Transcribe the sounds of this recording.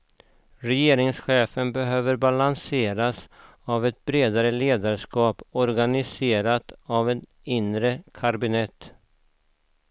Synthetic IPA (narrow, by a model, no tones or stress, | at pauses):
ɾɛjeːɾɪŋsɧeːfənbɛɦøːvəɾbalanseːɾas | avɛt̪̚bɾeːd̪aɾəleːd̪aɾʂkɑːpɔɾɡanɪseːɾat̪avɛt̪ | ɪnɾəkʰaɾbɪnɛt̪ː